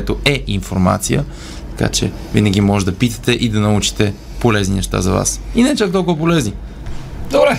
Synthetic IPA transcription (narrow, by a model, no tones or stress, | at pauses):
ɛt̪oɛʔinfoɾma̰t̪sijə̰ | t̪ɐ̥ka̰t͡ʃɛ̰ | vḭnɐɡʲimɔʒd̪ɐpit̪ə̥t̪ɛʔid̪ɐnɐut͡ʃi̥t̪ɛ | polɛzninɛʃt̪a̰zɐva̰sinɛt͡ʃakt̪ɔlˠkʊvɐpolɛzni | d̪obɾɛ